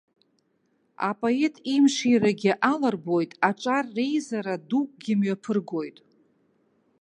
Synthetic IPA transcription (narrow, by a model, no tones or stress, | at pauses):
a̰pʼoe̞tʰʼimʂiraɡʲɪʔalarbo̞jtʼaʈ͡ʂʼarːe̞jzaɾadukʷʼɡʲɪmɥapʰɨrɡo̞jtʼ